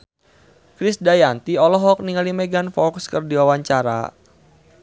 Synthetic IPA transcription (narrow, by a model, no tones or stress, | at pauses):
kɾisdajant̪iɔlɔɦɔk̚niŋalimɛɡanfɔkskərdiwawaɲt͡ʃaɾa̰